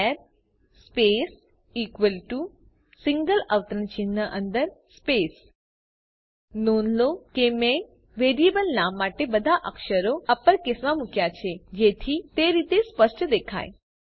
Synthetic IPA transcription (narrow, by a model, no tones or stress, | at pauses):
ɛɾ | spes | ikʋəlʈu | sɪ̃ŋɡələʋt̪ɾənt͡ʃinːəʔənd̪əɾspes | nonlokemẽ | ʋeɾiebəlnamːaʈebəd̪ʱaʔəkʃəɾoapəɾkɪsʋamukjat͡ʃʰed͡ʒet̪ʰit̪eɾit̪espəʂʈʰəd̪ekʰa̰j